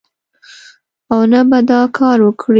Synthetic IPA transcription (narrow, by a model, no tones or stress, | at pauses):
awnabad̪ɑkʰɑɾwəkʰɽi